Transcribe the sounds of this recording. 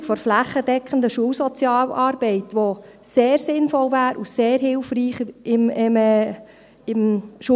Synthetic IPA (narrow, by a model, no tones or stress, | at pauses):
fɔɾflæχːəd̥ɛkχən̩d̪əʃuːwsɔt͡sjɑːlɑːɾb̥ɛɪt̪ʋo | seːɾsɪnfɔlvæːɾuseːɾɦɪlfriːχɪmɪm | ɪmʃu